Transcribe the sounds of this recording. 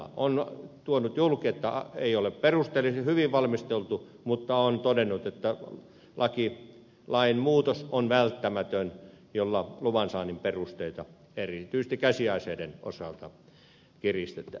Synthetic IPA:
ɑ̰ont̪uonut̪julkiet̪ːæ̰eiolepperust̪elishyʋiʋʋɑlmist̪elt̪u | mut̪ːɑont̪odenːˑut̪et̪ːæ | lʔɑki | lɑinmuːt̪osonʋælt̪ːæmæt̪øn | jolːɑluʋɑnsɑːnimperust̪eit̪ɑ | erit̪yisest̪ikkæsiɑiseideno̰sɑlt̪ɑ | kirist̪et̪ːæ

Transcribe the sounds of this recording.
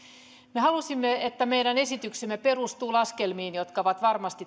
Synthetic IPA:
mehɑlusimːeet̪ːæmejɾæne̞sit̪yksemːepe̞rust̪uːlɑskelmiːnjo̞t̪kɑʋɑt̪ʋɑrmɑst̪i

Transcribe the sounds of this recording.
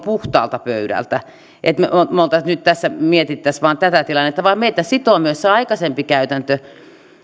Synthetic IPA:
puht̪ɑ̰ːlt̪ɑpø̰yɾæ̰lt̪æ | ʔet̪meomolt̪ɑnyt̪t̪æsːæmiet̪it̪ːæsʋɑːnt̪æt̪æt̪ilɑnːet̪ːɑʋɑimmeit̪æsit̪omyøsːeɑikɑsempikæyt̪ænt̪ø

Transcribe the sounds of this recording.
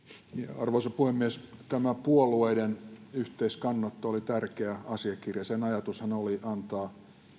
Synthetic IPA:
nɑrʋoisɑpuhemːiest̪æmæpuolueidenyht̪eiskɑnːɑt̪ːɑolit̪ærkeæɑsiɑkirjɑsenɑjɑt̪ushænoliʔɑnt̪ɑː

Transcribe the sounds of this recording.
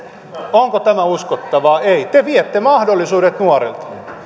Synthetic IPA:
oŋkot̪æmæuskot̪ːɑʋɑːeit̪eʋiet̪ːemɑhdolːˑisuːdet̪nuorḛlt̪ɑ̥

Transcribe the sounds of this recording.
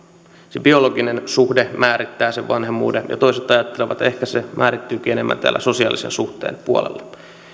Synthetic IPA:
sebio̞loɡinensuhdemæːɾit̪ːæːseʋʋɑnhemːṵːdenjɑ̰t̪o̞iset̪ɑjɑt̪ːeleʋɑ̰t̪e̞hkæsemʔæːɾit̪ːyːk̟iːenemːæ̰nt̪æ̰ːlːæso̞siɑ̰lisensuht̪ḛːnpuolḛlːɑ

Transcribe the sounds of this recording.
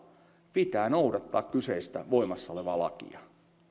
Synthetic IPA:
pit̪æːnowdɑt̪ːɑːkkyseist̪æ̰ʋoimɑsːɑoleʋɑːlɑ̰kḭɑ

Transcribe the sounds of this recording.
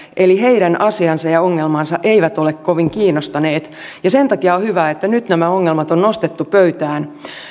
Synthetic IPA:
ʔeliɦe̞iɾænʔɑsiɑnsɑjɑoŋːelmɑnsɑʔeiʋæt̪o̞lekkoʋiŋkiːnːost̪ɑneːt̪ | jɑse̞nt̪ɑkiɑohyʋæet̪ːænyt̪næmæoŋːelmɑt̪onnost̪et̪ːupøyt̪æːn

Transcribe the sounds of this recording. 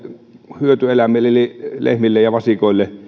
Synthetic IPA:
hyøt̪yelæmelːelilḛhmilːejjɑʋɑsikoˑilːe

